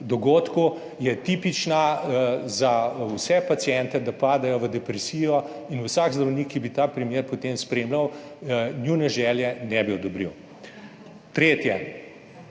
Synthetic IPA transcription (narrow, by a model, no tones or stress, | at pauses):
d̪ɔɡoːt̪ku | jɛt̪iːpit͡ʃna | zawsɛpat̪siɛnt̪ɛd̪apaːd̪ajɔʋəd̪ɛpɾɛsiːjɔ | inusaɡzd̪ɾɐwniːkːibit̪aːpɾɛmjeːɾpɔt̪eːmspɾeːmlawnjunɛʒɛːljɛnɛbiɔd̪ɔbɾḭw | t̪ɾeːt̪jɛ